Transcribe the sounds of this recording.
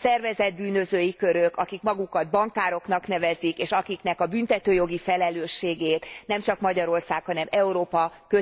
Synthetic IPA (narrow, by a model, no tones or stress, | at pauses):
sɛrvɛzɛd̪̚byːnø̞zøːjikøɾøkɒkikmɒɡukɒd̪̚bɒŋkaːɾo̞knɒknɛvɛzikeːʃɒkiknɛkɒbynt̪ɛt̪øːjo̞ɡifɛlɛløːʃːeːɡeːt̪nɛmt͡ʃɒkmɒɟɒɾo̞rsaːkhɒnɛmɛuɾoːpɒkø